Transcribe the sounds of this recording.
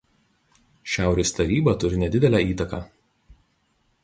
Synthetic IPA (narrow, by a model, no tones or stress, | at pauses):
ʃʲæˑʊɾʲeːst̪ɐɾʲiːbɐt̪ʊɾʲɪnʲɛd̪ʲɪd̪ʲɛlʲæːiːt̪ɐkɑː